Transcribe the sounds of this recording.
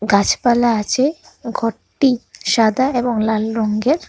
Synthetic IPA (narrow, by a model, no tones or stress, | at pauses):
ɡat͡ɕpalaat͡ɕʰe | ɡʱoʈːiʃad̪ʱaeboŋlalɾoŋɡeɾ